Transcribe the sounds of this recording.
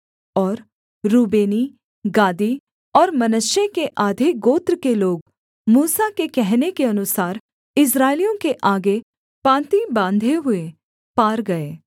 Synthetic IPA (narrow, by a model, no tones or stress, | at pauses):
ɔːɾ | ɾuːbeːni | ɡaːd̪i | ɔːɾmɐnəʃjekeʔaːd̪ʱeɡoːt̪ɾkeloːɡ | muːsakekɛɦnekeɐnʊsaːɾ | ɪs̬ɾaːɪlijõkeʔaːɡe | pãːt̪ibãːnd̪ʱeɦʊe | paːɾɡɐeː